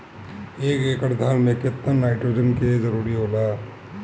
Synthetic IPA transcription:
eːkeːkəʈd̪ʱaːlmẽket̪ːənnaːɪʈɾoːd͡ʒənkezəɾuːɾiɦoːlaː

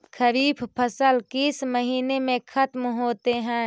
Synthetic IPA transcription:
kʰəɾiːbpʰəsəlkisməɦiːnemẽkʰɐt̪mɦoːt̪eɦɛ̃ː

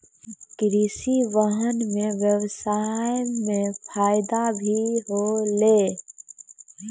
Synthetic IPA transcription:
kɾisiʋəɦənmẽʋjəʋsaːjmẽpʰaːjɪd̪abʱiɦoleː

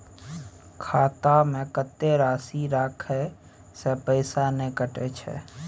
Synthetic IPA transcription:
kʰaːt̪amẽkət̪ːeɾaːsiɾakʰɦɛ | sepəɪsanekəʈet͡ʃʰɛ̰

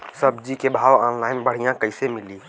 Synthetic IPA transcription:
səbd͡ʒikebʱaːʋɔːnlaːɪnbəɽ̤ijãkəɪsemɪli

